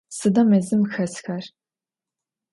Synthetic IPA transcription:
sɨdɐmɛzɨmxɐsxɐr

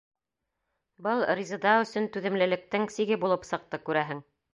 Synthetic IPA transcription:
bɤlˠrʲizɤ̆d̪ɑɵ̆sɵnt̪ʉðɘ̆mlɘ̆lɘ̆k̚t̪ɘŋsiɡɘbulˠɤpsɤ̆q̚t̪ɤkʉɾæɦɘŋ

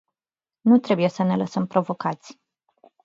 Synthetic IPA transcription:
nut̪ɾe̞buje̞səne̞ləsəmpɾo̞vo̞kat̪sʲ

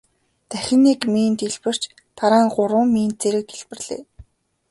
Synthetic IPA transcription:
t̪æxʲɪ̆nːekmiːnt̪iɮpɘ̆r̥t͡ɕ | t̪ʰaɾaːŋɢʊɾʊːŋmiːnt̪̚t͡seɾɘ̆k̪̚iɮpɘ̆rɮḛː

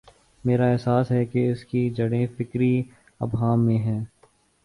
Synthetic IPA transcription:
meːɾaɛɦsaːsɦɛkeɪskid͡ʒɐɽẽfɪkɾi | ɐ̰bɦaːmːẽɦɛ̃ː

